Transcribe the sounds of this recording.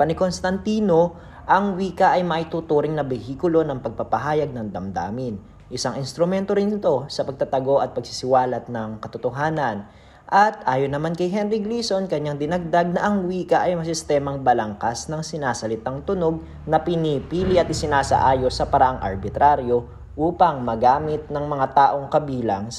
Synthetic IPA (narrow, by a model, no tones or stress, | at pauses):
pɐnɪko̞nst̪ɐnt̪iːno̞ | ʔɐŋwiːkɐʔɐjmɐʔɪt̪ut̪uːɾɪŋnɐbɛhiːkʊlo̞nɐŋpɐɡ̚pɐpɐɦaːjɐɡ̚nɐŋd̪ɐmd̪a̰ːmɪn | ʔɪsaŋʔɪnst̪ɾʊmɛnt̪o̞ɾɪnɪt̪o̞sɐpɐɡ̚t̪at̪ɐɡo̞ʔɐt̪̚pɐɡ̚sɪsɪwaːlɐt̪̚nɐŋkɐt̪ot̪oɦaːnɐn | ʔɐt̪ʔaːjonɐmankɐjɦɛnɾɪɡliːso̞nkɐɲːaŋd̪ɪnɐɡ̚d̪aɡ̚nɐʔɐŋwiːkɐʔɐjmɐs̬ɪst̪ɛːmɐŋbɐlɐŋkasnɐŋsɪnaːsɐlɪt̪aŋt̪ʊno̞ɡ̚ | nɐpɪnipiːlɪʔɐt̪ɪsɪnaːsɐ̰ʔaːjo̞sɐpɐɾɐʔaŋʔɐ̰ɾbɪt̪ɾaɾjo̞ | ʔuːpɐŋmɐɡaːmɪt̪̚nɐŋmɐŋat̪aːʔo̞ŋkɐbiːlɐŋ